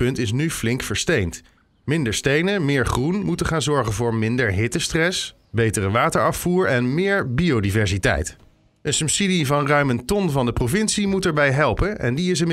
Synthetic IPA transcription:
pɵntɪs̬nyflɪŋkfəɹstejnt | mɪndəɹstejnəmɪːɹχrunmutəχaːnzɔɹχənvʊːɹmɪndəɹɦɪtəstrɛs | bejtərəʋaːtəɹɑfuːɹɛnmɪːɹbiowdivɛɹzitɛ̰jt | ənsɵpsidivɑnrœɥməntɔnvɑndəprovɪnsimutɛɹbɛjɦɛlˠpənʔɛ̰ndiɪs̬ənm

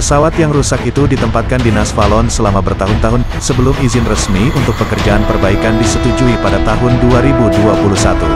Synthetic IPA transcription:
pəsawat̪jaŋrusakit̪udit̪əmpat̪̚kandinasfalɔnsəlamabərt̪aɦʊnt̪aɦʊn | səbəlʊmizɪnrəsmiunt̪ʊk̚pəkərd͡ʒaanpərbaikandisət̪ud͡ʒuipadat̪aɦʊnduaɾibuduapuluhsat̪ṵ

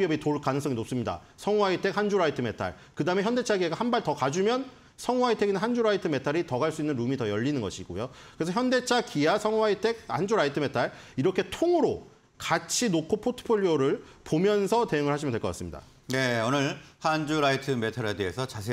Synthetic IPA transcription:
iʌbitoɭk͈anɯŋs͈ʌŋinop̚s͈ɯmɲida̰ | sʰʌŋuaitʰe̞k̚hand͡ʑuɾaitʰɯme̞tʰa̰ɭ | kɯdaɯmeçjʌnde̞t͡ɕʰaɡieɡahanbaɭtʌkad͡ʑumjʌn | sʰʌŋuaitʰe̞ɡinɯnɦand͡ʑuɾaitʰɯme̞tʰaɾitʌɡaɭs͈uinːɯnɾumitʌjʌʎːinɯnɡʌɕʰiɡo̰jokɯɾesʰʌçjʌnde̞t͡ɕʰakijasʰʌŋaitʰe̞k̚hand͡ʑuɾaitʰɯme̞tʰaɭiɾʌkʰe̞tʰoŋɯɾo | kat͡ɕʰinokʰopʰotʰɯ̥pʰoʎːioɾɯɭpomjʌnsʰʌte̞juŋɯɭhaɕʰimjndwekʌk͈a̰s͈ɯmɲida̰ | neonɯɾhand͡ʑuɾaitʰɯme̞tʰaɾe̞de̞esʰʌt͡ɕasʰe

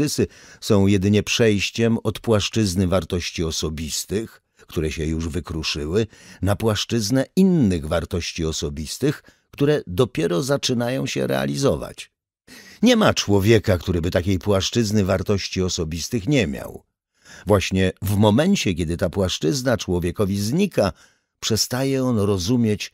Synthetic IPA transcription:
ɘsɘsɔ̃w̃jɛd̪ɘɲɛpʂɛjɕt͡ɕɛmɔt̪pwaʂt͡ʂɘznɘvaɾt̪ɔɕt͡ɕiɔsɔbʲist̪ɘx | kt̪uɾɛɕɛjuʐvɘkɾuʂɘwɘnapwaʂt͡ʂɘznɛinːɘɣvaɾt̪ɔɕt͡ɕiɔsɔbʲist̪ɘx | kt̪uɾɛd̪ɔpʲjɛɾɔzat͡ʂɘnajɔ̃w̃ɕɛ̰ɾɛ̰a̰lʲizɔva̰t͡ɕ | ɲɛmat͡ʂwɔvʲjɛkakt̪uɾɘbɘt̪akʲejpwaʂt͡ʂɘznɘvaɾt̪ɔɕt͡ɕiɔsɔbʲist̪ɘxɲɛmʲja̰w | vwaɕɲɛvmɔmɛnt͡ɕɛkʲɛd̪ɘt̪apwaʂt͡ʂɘznat͡ʂwɔvʲjɛkɔvʲizɲika | pʂɛst̪ajɛɔnɾɔzumʲjet͡ɕ

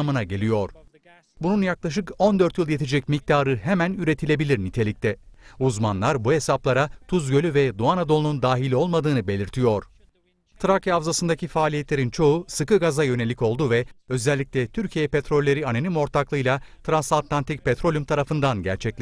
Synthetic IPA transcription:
mɯnaɟelʲijo̞ɾ̥ | bununjaklˠaʃ̬ɯko̞nd̪øɾt̪jɯlˠjet̪ʰid͡ʒɛc̚mic̚t̪ʰaːɾɯɦemænyɾe̞t̪ʰilʲe̞bilʲiɾnit̪ʰe̞lʲic̚t̪ʰɛuzmanlˠaɾbuɦe̞saplˠaɾat̪ʰuzɟø̞lʲyvɛd̪uanad̪o̞lˠunund̪aːɦilʲio̞lˠmad̪ɯːnɯbe̞lʲiɾt̪ʰijo̞ɾ̥ | t̪ʰɾakavzasɯnd̪acifaːlʲijet̪lʲe̞ɾint͡ʃʰo̞usɯkɯɡazajø̞ne̞lʲico̞lˠd̪uvɛø̞zɛlʲːic̚lʲɛt̪ʰyɾcʰijɛpet̪ɾo̞lʲːe̞ɾianenimo̞ɾt̪ʰaklˠɯjlˠat̪ʰɾansat̪lˠant̪ʰic̚pʰɛt̪ɾo̞lʲymt̪ʰaɾafɯnd̪anɟæ̰ɾt͡ʃʰɛclʲ

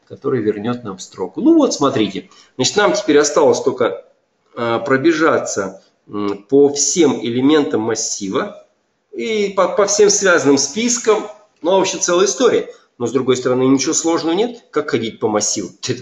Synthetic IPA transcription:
kɐt̪o̞ɾɨjvʲɪrnʲo̞t̪̚namfst̪ɾo̞̰kʊnuvo̞t̪smɐt̪ɾʲitʲɪ | zat͡ɕɪ̥t̪namtʲɪ̥pʲeɾʲɐst̪alˠəsʲt̪o̞lʲkə | pɾəbʲɪʐat̪sə | pəfsʲe̞mɪlʲɪmʲe̞nt̪əmːɐsʲːivə | ipɐpɐfsʲe̞msvʲæzənɨmspʲiskəm | novopɕɪt̪sɛlˠəjɪst̪o̞ɾʲɪə | no̞zd̪ɾʊɡojst̪əɾɐnɨnʲɪt͡ɕɪvoslˠo̞ʐnəvənʲe̞t̪kakxɐdʲit̚ʲpəmɐsʲːivʊɛ

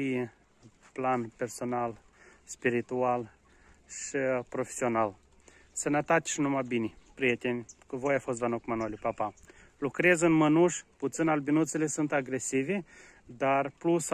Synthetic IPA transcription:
i | planpʲe̞rso̞nal | spiɾit̪ual | ʃipɾo̞fe̥sional | sənət̪at̪ʲʃinumabinʲipɾiet̪ʲenʲkəvojafost̪vanokmanolʲipapa | lukɾezɨnmənuʃput̪sɨnalbinut̪selesunt̪aɡɾesivi | d̪arplus

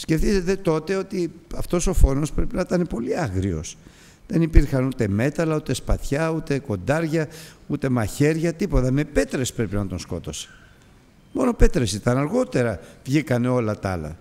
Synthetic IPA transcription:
sce̞fθiset̪e̞t̪o̞t̪e̞o̞t̪iɐft̪o̞so̞fo̞no̞spɾepinɐit̪ɐnepo̞liɐɣɾio̞̰s | ðe̞nipiɾxɐnut̪e̞me̞t̪ɐlɐut̪e̞spɐθçɐut̪e̞ko̞nd̪ɐɾʝɐut̪e̞mɐçe̞ɾʝɐt̪ipo̞t̪ɐme̞pe̞t̪ɾespɾe̞pinɐt̪onsko̞̰t̪o̞se̥ | mo̞no̞pe̞t̪ɾesit̪ɐnɐɾɣo̞t̪e̞ɾɐvʝikɐne̞o̞lɐt̪ɐ̰lɐ̰

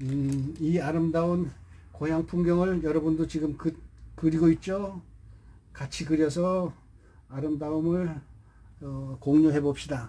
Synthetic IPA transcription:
iaɾɯmdaun | kojaŋpʰumɡjʌŋɯɭjʌɾʌbundot͡ɕiɡɯmkɯkɯɾiɡoit̚t͡ɕ͈o | kat͡ɕʰikɯɾjʌs̬ʰʌ | aɾɯmdaumɯɭ | ʌkoŋɲoɦe̞bop̚ɕ͈ida

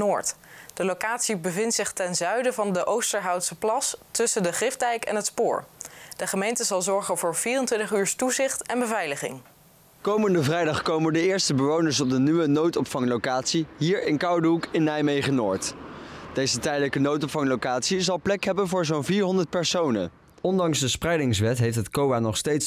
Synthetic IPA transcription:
noːɹtd̥əlowkaːtsibəvɪntsɪχtɛnzœɥdəvɑndəʔowstəɹɦɑwtsəplɑstɵsəndəχrɪfdɛjkɛ̰nɦətspʊ̰ːɹd̥əχəmejntəzɑlˠzɔɹχənvʊːɹv̥iːrəntʋɪntəχyːɹstuzɪχtɛnbəvɛjləχɪ̰ŋ | kowməndəvrɛjdɑχkowməndəɪːɹstəbəʋownəɹsɔb̚dənyʋənowtɔpfɑŋlowkaːtsiɦiːɹɪnkɑwdəɦukɪnːɛjmejχənʊːɹtd̥ejzətɛjdələkənowtɔpfɑŋlowkaːtsizɑlˠplɛkɦɛbənvʊːɹzonviːɹɦɔndəɹt̚pɛɹsownə̰n | ɔndɑŋsdəsprɛjdɪŋsʋɛtɦejftətkowaːnɔχstejts

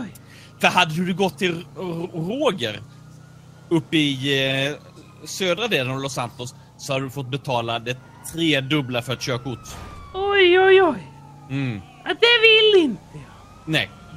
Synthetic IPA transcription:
j | fœɾɦad̪ːəd̪ɵd̪ɛɡɔt̪ʰːɪlɾoːɡəɾ | ɵpːɪ | søːd̪ɾad̪eːd̪anlɔsant̪ɔsː | ɔhad̪əd̪ɵfɔt̪̚ːbɛt̪ʰɑːlad̪ɛ | t̪ʰɾeːd̪ɵblaɾfœɾɛt̪ɕøːkʊʈɔjɔjɔj | m̩ː | ad̪ɛvɪlːɪnt̪əjɑː | nɛj

